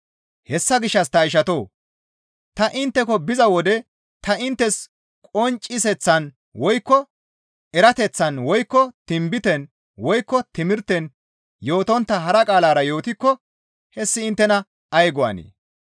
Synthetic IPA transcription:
hɛsːɐɡɪʃːɐst̪ɐɪʃ̬ɐt̪o̞ː | t̪ɐʔɪnt̪ːɛkɔbɪzɐwɔd̪ɛ | t̪ɐɪnt̪ːɛs | kʼɔnt͡ʃʼɪsɛt͡sːɐn | wɔjkːɔ | ɛɾɐt̪ɛt͡sːɐnwɔjkːɔt̪ɪmbɪt̪ɛn | wɔjkːɔt̪ɪmɪɾt̪ɛn | jo̞ːt̪ɔnt̪ːɐɦɐɾɐkʼaːlaːɾɐjo̞ːt̪ɪkːɔ | hɛsːɪːnt̪ːɛnɐ | ɐjɡɔɐ̰nḛː

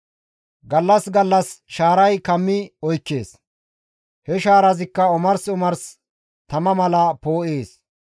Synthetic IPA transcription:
ɡɐlːɐsɡɐlːɐsʃaːɾɐjkɐmːɪɔjkːe̞ːs | hɛʃaːɾɐzɪkːɐʊmɐɾsʊmɐɾs | t̪ɐmɐmɐlɐpo̞ːʔeːs

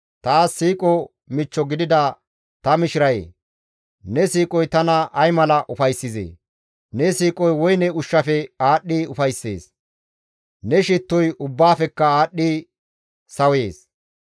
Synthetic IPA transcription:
t̪aːsːiːkʼɔ | mɪt͡ʃːɔɡɪd̪ɪd̪ɐ | t̪ɐmɪʃɪɾɐjḛː | nɛsiːkʼɔjt̪ɐnɐʔɐjmɐlɐʔʊfɐjsːɪzḛː | nɛsiːkʼɔjwɔjnɛʊʃːɐfɛaːɗːiʊfɐjsːe̞̰ːs | nɛʃɪt̪ːɔjʊbːaːfɛkːɐaːɗːi | sɐwe̞ːs

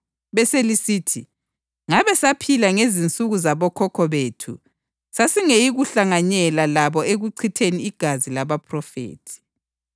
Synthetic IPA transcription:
βɛselisiːtʰi | ŋaβɛsapʰilaŋezint͡sʼuɣuzaβɔkʰɔkʰɔβetʰṵ | sasiŋejiɣuɬaŋaɲɛlalaβɔeɣuǀʰitʰeniːɡ̥ʱazilaβapʰrɔfḛːtʰi̥

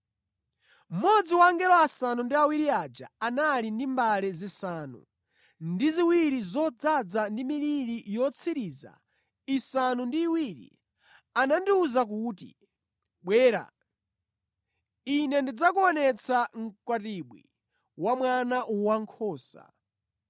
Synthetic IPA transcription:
m̩mɔd͡ziwaːŋɡɛlɔasanundiawiɾiad͡ʒaanalindimbalɛzisaːnṵ | ndiziwiɾizɔd͡zad͡zandimiɾiɾijɔt͡sʰiɾiːza̰ | isanundiːwiːɾḭ | anandiuzak̬uːtḭ | ɓwɛːɾa̰ | inɛndid͡zak̬uɔnɛt͡sʰaŋ̩kwatiɓwḭ | wamwanaʔuwaŋkʰɔːsa̰

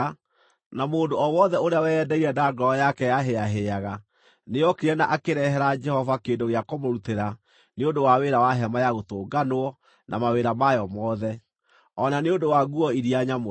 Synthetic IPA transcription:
namoːndoɔwɔðɛoɾeawɛːdɛiɾɛdaɡɔɔjakɛjaɦeaɦeaɣa | neɔkeɾɛnaʔakeɾɛɦɛɾad͡ʒɛhɔvakeːndoɣeakomoɾuteɾa | neondowaweɾawaɦɛmajaɣotoːɡanoɔ | nʔa̰maweɾamajɔmɔðɛ | ɔnaneondowaɣuɔiɾiaɲam

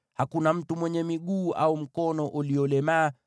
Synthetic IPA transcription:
hakunam̩tumwɛɲɛmiɠuːʔaum̩kɔnɔʔuliɔlɛmaː

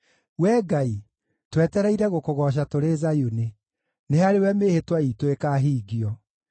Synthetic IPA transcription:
wɛːɡai | twɛtɛɾɛiɾɛɣokoɣɔɕ̬atoɾezajune | neaɾewɛmehetwaitoekaːɦiːɣiɔ

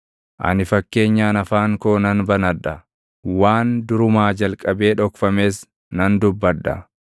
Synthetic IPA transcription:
ʔɐ̰nɪfɐkːe̞ːɲːaːnɐfaːŋkoːnɐnbɐnɐᶑɐ | waːnd̪ʊɾʊmaːd͡ʒɐlkʼɐbe̞ːᶑɔkfɐme̞ːs | nɐnd̪ʊbːɐᶑɐ̰

